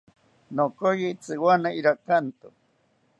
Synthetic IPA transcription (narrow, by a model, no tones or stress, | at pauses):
nokojit͡sɨwanaiɾakant̪ʊ